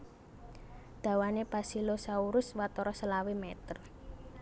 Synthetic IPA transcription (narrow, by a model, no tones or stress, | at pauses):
d̪̥a̤wanepasilosauɾʊswat̪ɔɾɔsəlawimɛt̪ər